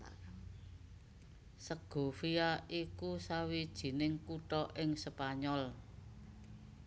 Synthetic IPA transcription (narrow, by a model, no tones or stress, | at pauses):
səɡ̥o̤fiaʔikusawid̥ʒ̥i̤nɪŋkuʈɔʔɪŋsəpaɲɔl